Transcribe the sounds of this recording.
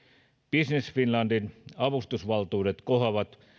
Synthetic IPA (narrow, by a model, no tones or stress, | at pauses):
b̥isnesfinlɑndinɑʋust̪usʋɑlt̪uːdet̪kohɑʋɑt̪